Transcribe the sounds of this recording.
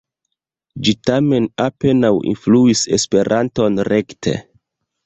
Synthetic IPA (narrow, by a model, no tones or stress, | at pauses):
d͡ʒitame̞nape̞nawḭnfluise̞̰spe̞ɾʔanto̞nɾe̞ktʰḛ